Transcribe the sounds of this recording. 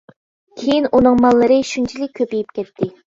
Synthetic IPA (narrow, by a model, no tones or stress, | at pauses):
kʲʰejinʔunɨŋmɑlˠːɨɾɨʃunt͡ʃʰilɪk̚ʲʰːøpijip̚kʲʰɛt̪ʰːɪ